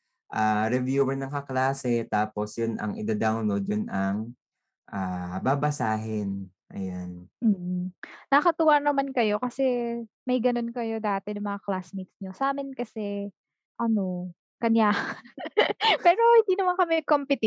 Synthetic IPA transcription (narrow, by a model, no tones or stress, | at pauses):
ʔaːɾɛvjuːwɛɹnɐŋkɐklaːsɛt̪aːpo̞sjʊnʔɐ̰ŋʔɪ̰d̪ad̪awnlod̪jʊnɐŋ | ʔababɐsaːɦɪn | ʔɐ̰janm̩ːnɐkɐt̪ʊwaɾnɐmankɐjo̞kɐsɛ | mɐjɡɐno̞nkɐjo̞d̪aːt̪ɛnɐŋmɐŋaklasmit̪̚sɲosʔaːmɪnkɐsɛ | ʔɐno̞ | kɐɲja | pɛːɾo̞hɪnd̪iːnɐmankɐmɛkompɪt̪ɪ